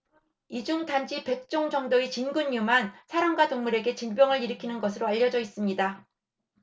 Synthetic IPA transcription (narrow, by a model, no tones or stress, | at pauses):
id͡ʑuŋtand͡ʑipe̞k̚t͡ɕ͈oŋd͡ʑʌŋdoit͡ɕinɡuɲːumansʰaɾaŋɡwatoŋmuɾe̞ɡe̞t͡ɕinbjʌŋɯɾiɾɯkʰinɯnɡʌsʰɯɾoaʎːʌd͡ʑʌis͈ɯmɲida